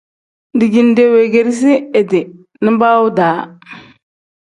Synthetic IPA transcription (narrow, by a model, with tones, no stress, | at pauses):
di˨ɡi˨nde˨˦we˨ɡe˦ɾs̬i˦e˨di˨ | ni˦mba˦wu˦daː˨˦